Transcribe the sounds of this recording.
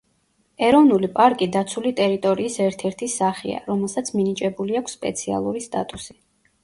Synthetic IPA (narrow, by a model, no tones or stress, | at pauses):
ɛɾɔvnulipʼaɾkʼid̪at̪sʰulit̪ʼɛɾit̪ʼɔɾiːsɛɾt̪ʰɛɾt̪ʰisaχia̰ɾɔmɛlˠsat̪sʰminit͡ʃʼɛbuliakʷʰsːpʼɛ̰t̪sʰia̰lˠuɾist̪ʼat̪ʼusi̥